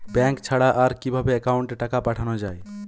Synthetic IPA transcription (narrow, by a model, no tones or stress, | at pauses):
bɛ̃ŋkt͡ʃʰaɽaʔaɾkibʱabeːkauɳʈeʈakapaʈʰanɔd͡ʒaj